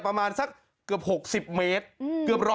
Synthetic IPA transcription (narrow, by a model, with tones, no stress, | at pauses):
pɾa˧maː˧nsa˧˥˩k̚ːɯ˨˩əp̚ho˨˩k̚si˨˩p̚meː˦˥t̪̚ɯ˨˩əp̚ɾɔ˦